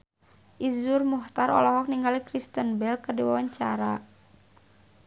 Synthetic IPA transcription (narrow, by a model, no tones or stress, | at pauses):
ʔizʊrmuht̪aɾɔ̰lɔɦɔk̚niŋɡalikɾist̪ənbɛlkərdiwawaɲt͡ʃaɾa